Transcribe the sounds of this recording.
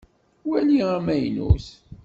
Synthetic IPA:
wæliəɾmæjnṵθ

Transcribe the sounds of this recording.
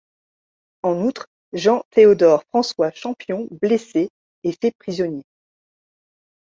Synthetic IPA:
ɑ̃nut̪χ | ʒɑ̃t̪eod̪ɔʁfχɑ̃swaʃɑ̃pjɔ̃bleseː | fɛpχizɔnje

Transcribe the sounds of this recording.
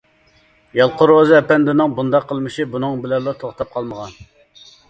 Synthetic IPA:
jɑlˠqʊɾozɨɛpɛnd̪ɪnɨŋbund̪ɑqʰːəlˠmɨʃibunɨŋbɪlɛllːˠɑt̪ʰoχt̪ʰɑp̚qʰɑlˠməʁɑn

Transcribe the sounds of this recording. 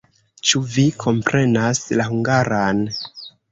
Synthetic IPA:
t͡ʃuvikʰo̞mpɾe̞naslahuŋɡaɾan

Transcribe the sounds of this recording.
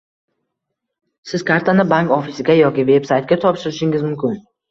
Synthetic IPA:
sɪzkʰaɾt̪ʰanɪbaŋkɒfisɪɡʲajɒkʲɪve̞bsajt̪̚ɡʲat̪ʰɒpʃɪɾɪʃɪŋɪzmʊmkʲɪn

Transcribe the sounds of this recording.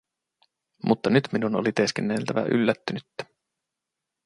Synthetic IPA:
mʔut̪ːɑnyt̪minunolit̪e̞skenːelt̪æʋæ̰ʔy̰lːæt̪ːynyt̪ːæ̥

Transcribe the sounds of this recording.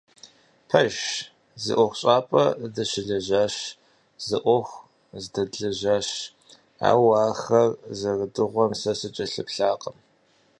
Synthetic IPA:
pʰɐʒ | zɨ̰ʔʷɔχʷɕʼaːpʼɐdɐɕɪɮɐʑaːɕ | zɨʔʷɔxʷ | zdɐdɮɐʑaːɕ | a̰ːwaːxɐrzɐrədɨʁʷɔmsɐsɨt͡ʃʼɐɬɨpɬaːqʼəm

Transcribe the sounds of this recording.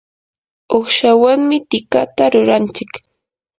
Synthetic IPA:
oχʃawaŋmɪt̪ɪkat̪aɾʊɾant͡ʃɪk

